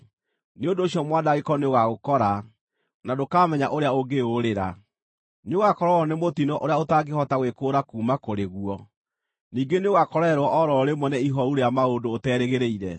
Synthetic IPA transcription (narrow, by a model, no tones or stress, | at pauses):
neondoːɕjɔmwaːdaɣekɔneoɣaɣokɔɾa | nadokaːmɛɲaʔoɾeaoɡeoɾeɾa | neoɣakɔɾɔɔnemotinɔʔoɾeaotaɡehɔtaɣwekoːɾakuːmakoɾeɣuɔ | niːɡeneoɣakɔɾɛɾwɔʔɔɾɔɾemwɔnɛiɦɔuɾeamaondoːtɛːɾeɣeɾeiɾɛ